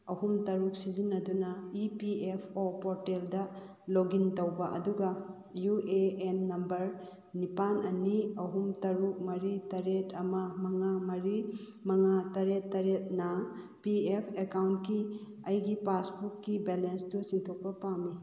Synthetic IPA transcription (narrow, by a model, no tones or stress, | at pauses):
ɐhumtɐɾuk̚sizinːɐdunɐipiepʰopoɾteldɐ | loɡintowbɐʔɐ̰duɡɐ | jueenːɐmbɐɾ | nipanɐniɐɦumtɐɾuk̚mɐɾitɐɾetʰɐmɐmɐŋamɐɾi | mɐŋatɐɾetːɐɾet̚nɐ | piepʰekawntki | ɐjɡipasbukːibelenstusiŋtʰok̚pɐpawmi